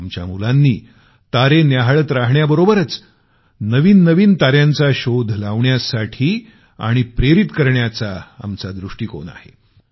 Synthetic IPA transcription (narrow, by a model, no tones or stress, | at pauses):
mt͡ɕja̰mulanːiː | t̪aɾenjaɦɭət̪ɾaɦɳjabəɾobəɾət͡s | nəʋiːnːəʋiːnt̪aɾjant͡saɕod̪ʱlaʋɳjasaʈʰiː | a̰ɽ̃ipɾeɾit̪kəɾɳjat͡saa̰mt͡sad̪ɾuʂʈiːko̰na̰hḛ